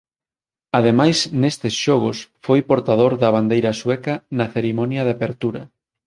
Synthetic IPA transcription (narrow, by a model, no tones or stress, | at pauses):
að̞emajsnest̪ɪsʃɔɣ̞ʊsfojpoɾt̪að̞oɾðɐβand̪ejɾɐswɛkɐnɐθeɾimɔnjɐðapeɾt̪uɾɐ